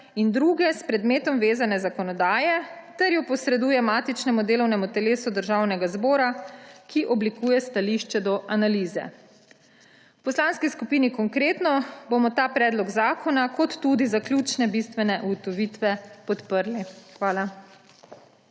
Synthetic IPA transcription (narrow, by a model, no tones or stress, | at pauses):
ind̪ɾuːɡɛspɾɛd̪meːt̪ɔmʋeːzanɛzakɔnɔd̪aːjɛ | t̪ɛɾjɔpɔsɾɛd̪uːjɛmaːt̪it͡ʃnɛmud̪eːlɔwnɛmut̪ɛleːsud̪əɾʒaːwnɛɡazbɔːɾakiʔɔblikuːjɛst̪aliʃt͡ʃɛd̪ɔʔanaliːzɛ̰ | uwpɔslaːnskiskupinikɔŋkɾeːt̪nɔbomɔt̪aːpɾɛːd̪lɔɡzaːkʰɔnakɔt̪ːud̪izaklʲuːt͡ʃnɛbist̪ʋɛnɛʔuɡɔt̪ɔʋit̪ʋɛpɔt̪pəɾlixʋaːla